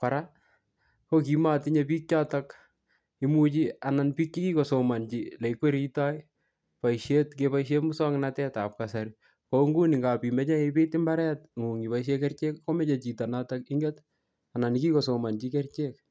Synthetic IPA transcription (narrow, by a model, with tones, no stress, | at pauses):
kwa˨ɾa˦ | ko˦k̬i˨ma˦ti˦ɲep̬iː˦k̚t͡ʃa˦tak | i˦mu˦t͡ʃi˦a˨na˨npiː˦k̚t͡ʃi˦ki˦ko˨so˨ma˨nt͡ʃile˨ikwe˦ɾi˦taj | pa˨iʃetkepaiʃ̬e˦mu˦sɔ˦ŋnatɛtap̚kasaɾi | koŋɡu˦ni˨ŋɡa˨pi˨mɛ˦t͡ʃa˦ipɪ˦tɪ˦mba˦ɾɛ˦t̚ŋu˨ŋi˨paiʃ̬e˦kɛ˦rt͡ʃe˦kko˦mɛ˦t͡ʃe˨t͡ʃi˨ta˨na˦takɪ˦ŋɡɛt | a˨na˨niki˦ko˨so˨ma˨nt͡ʃike˦rt͡ʃek